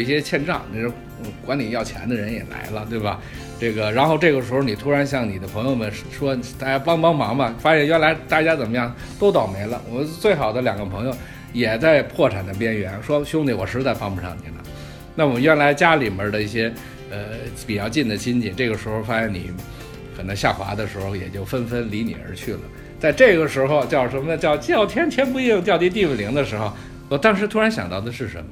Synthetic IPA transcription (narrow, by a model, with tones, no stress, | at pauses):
i˥˩ɕjɛ˥t͡ɕʰjɛ˥˧nʈ͡ʂɑ̰˥˩ŋne˥˩o˧˥˧ | kwa˧˥nli˨˩jɑ˥˩ʊt͡ɕʰjɛ̰˧˥nd̪ə˧ɻə˧˥njɛ̰˨˩la̰˧˥ɪlə˧t̪we˥˩ɪbɐ˩ | ʈ͡ʂɤ˥˩ɡə˩ɻa˧˥nxo˥˧ʊʈ͡ʂɤ˥˩ɡə˩ʂɻ̩˧˥xo˧˩ni˨˩t̪ʰu˥ɻa˧˥nɕjɑ˥˩ŋni˨˩d̪ə˦pʰɤ˧˥ŋjo˧ʊmə˨nʂʂwɔ˥t̪a˥˩t͡ɕja˥pɑ˥ŋpɑ˥ŋmɑ˧˥ŋmɐ˧fa˥ɕjɛ˥˧nɥɛ˥nla˧˥ɪt̪a˥˩t͡ɕja˥t͡sə˨˩nmə˦jɑ˥˩ŋ | t̪o˥ʊt̪ɑ˨˩ʊme˧˥ɪlə̰˧wɔ˨˩mə˦nt͡swe˥˩ɪxɑ˨˩ʊd̪ə˦ljɑ˨˩ŋɡə˦pʰɤ˧˥ŋjo˧ʊ | jɛ˨˩t͡sa˥˧ɪpʰwɔ˥˩ʈ͡ʂʰa˨˩nd̪ə˦p̬jɛ˥nɥɛ˧˥nʂwɔ˥ɕjʊ˥ŋni˧˥wɔ˨˩ʂɻ̩˧˥t͡sa˥˩ɪfɑ˥ŋpu˧˩ʂʰɑ̰˥˩ŋt̪ʰḭ˨˩lə̰˩˦ | na˥˩wɔ˨˩mə˦nɥɛ˥nla˧˥ɪt͡ɕja˥li˨˩mə˧˥d̪ə˧i˥˩ɕjɛ˥ | ə˧pi˨˩t͡ɕjɑ˥˧ʊt͡ɕi˥˩nd̪ə˩t͡ɕʰi˥nt͡ɕi˨˩˦ʈ͡ʂɤ˥˩ɡə˩ʂɻ̩˧˥xo˧ʊfa˥ɕɛ˧˥nḭ˨˩˦ | kʰə˨˩nɤ˧˥ŋɕja̰˥˩xwa̰˧˥d̪ə˧ʂɻ̩˧˥xo˧ʊjɛ̰˨˩t͡ɕjo˥˩ʊfə˥nfə˥nli˧˥nḭ˨˩ə̰˞˧˥t͡ɕʰy˥˩lə̰˩ | t͡sa˥˧ɪʈ͡ʂɤ˥˩ɡə˩ʂɻ̩˧˥xo˧ʊt͡ɕjɑ˥˧ʊʂə˧˥mə˧t͡ɕjɑ˥˧ʊt͡ɕjɑ˥˩ʊt̪ʰjɛ˥nt̪ʰjɛ˥np̬u˥˧i˥ʊ˥˧ŋt͡ɕjɑ˥˧ʊt̪i˥t̪̬i˥˧wɛ˥˩li˧˥ŋd̪ə˧ʂɻ̩˧˥xo˧ʊ | wɔ˨˩t̪ɑ˥˧ŋʂ̬ɻ̩˧˥t̪ʰu˥a˧˥nɕjɑ̰˨˩ŋt̪ɑ˥˩ʊd̪ə˩ʂɻ̩˥˩ʂə̰˧˥mə˧